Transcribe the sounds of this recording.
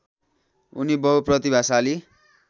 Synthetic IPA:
ṵnibʌɦuprʌt̪ibʱasali

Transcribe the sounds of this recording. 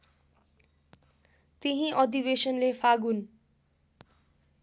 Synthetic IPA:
t̪iɦĩʔʌd̪ibesʌnlepʰaɡun

